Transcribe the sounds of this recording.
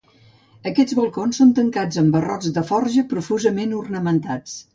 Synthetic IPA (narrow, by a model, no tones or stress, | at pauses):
əkɛd͡zβəlˠkonsont̪əŋkad͡zəmbərɔ̰d͡zðəfɔɾʒəpɾufuzəmenurnəmənt̪at͡s